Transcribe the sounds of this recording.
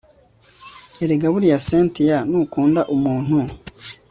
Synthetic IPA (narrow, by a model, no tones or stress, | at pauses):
jaɾeɡaβuɾijaseːntijanukuːndaʔumuːn̥hu